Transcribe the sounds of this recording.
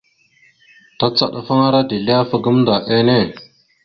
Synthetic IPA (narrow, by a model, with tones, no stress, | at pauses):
ta˦t͡sa̰˦˨ɗa˨fa˦ŋa˦ɾa˦di˨li˦a˦fa˨ɡə˦mnda˨ʔe˦ne˦˨